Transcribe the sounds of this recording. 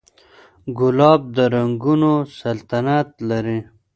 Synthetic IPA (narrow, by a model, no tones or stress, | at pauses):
ɡʊlɑːb̚d̪əɾaŋɡunosalt̪anat̪laɾi